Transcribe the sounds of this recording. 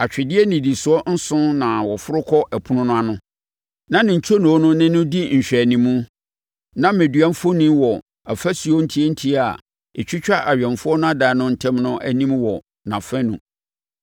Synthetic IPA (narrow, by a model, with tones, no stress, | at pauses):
a˨t͡ɕᶣɪ˨dɪ˦ɛ˦nĩ˨di˨sʊ˨˦ɔ˦n̩˦sʊ̃˦nã˨wɔ˨fʊ˦ɾʊ˦kʰɔ˦ʔæ˨pʰʊ˦nʊ̃˦nʊ̃˦a˦nʊ̃˦ | nã˦nɪ̃˨ɲ̩˨t͡ɕʰo˦nũ˨˦nʊ̃˦nɪ̃˦nʊ̃˦di˦ɲ̩˨ɕᶣæ˨nĩ˨mũ˦ | nã˦mẽ˨dɥa˦n˦fo˦nĩ˦wɔ˨ | a˨fæ˦si˨ɔ˦n̩˦tʰi˦e˦n̩˦tʰi˦a˨ | ɛ˨t͡ɕᶣɪ˦t͡ɕᶣa˦ʔa˨ɥᶣɛ̃˨nfʊ˦ɔ˦nʊ̃˦a˦daː˨nʊ̃˦n̩˦˨tʰɛ̃˦mnʊ̃˦ʔæ̰˦nĩ˦mwɔ˨ | nã˨fɛ̃˦nṵ̃˨